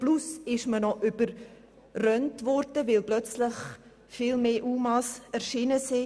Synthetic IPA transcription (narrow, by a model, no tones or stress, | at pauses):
plusɪʃmənɔʔybəɾ | rœntvɔɾd̥əvɪlblœt͡sləχ | fɪːlmeːʔuːmɑsɛɾʃiːnəsi